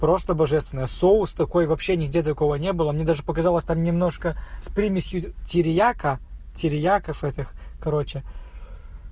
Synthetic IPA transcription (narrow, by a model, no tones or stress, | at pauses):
pɾo̞st̪əbɐʐɛst̪vʲɪnəjəsoʊst̪ɐko̞jvɐpɕːenʲɪɡ̚dʲet̪t̪ɐko̞vənʲe̞bɨlˠəmnʲed̪aʐɨpəkɐzalˠəsʲt̪amnʲɪmno̞ʂkəspɾʲimʲɪsʲjʊtʲɪɾʲɪjakətʲɪɾʲɪjakəfɛt̪ʲɪxkɐɾo̞t͡ɕɪ